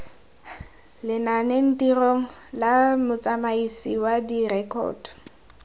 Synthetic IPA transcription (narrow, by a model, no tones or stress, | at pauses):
lɪnanen̩tiroŋ̩lamʊt͡sʼamaisiwadirɛkʰɔ̰ːd